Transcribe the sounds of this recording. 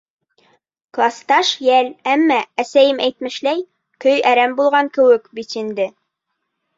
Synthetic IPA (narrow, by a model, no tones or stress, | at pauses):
klˠɑst̪ɑʃjælæmːææsæjɘmæjt̪mɘ̆ʃlæj | kɵjæɾæmbulˠʁɑŋkɘ̆wɘkbit̪ind̪ɘ